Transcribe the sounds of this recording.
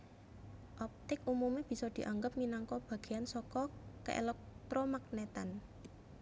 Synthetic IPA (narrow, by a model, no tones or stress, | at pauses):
ʔɔp̚t̪ɪkumumeb̥i̤sɔd̪̥i̤ʔaŋɡəp̚minaŋkɔb̥a̤ɡ̥e̤ansɔkɔkə̰ʔḛlɛk̚t̪ɾɔmak̚net̪an